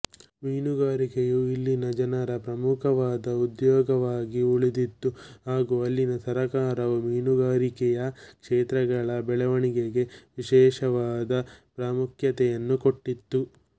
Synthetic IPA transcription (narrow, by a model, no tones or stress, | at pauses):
miːnuɡaːɾikejuilːinɐd͡ʒɐnɐɾɐpɾɐmukʰɐʋaːd̪ɐud̪jɔːɡɐʋaːɡiuɭid̪it̪ːuɦaːɡuɐlːinɐsɐɾɐkaːɾɐʋumiːnuɡaːɾikɛjɐkʂeːt̪ɾɐɡɐɭɐbɛɭɐʋɐɳiɡeɡe̞ʋiʃɛːʂɐʋaːd̪ɐpɾaːmukjɐt̪ɛjɐnːuko̞ʈːit̪ːu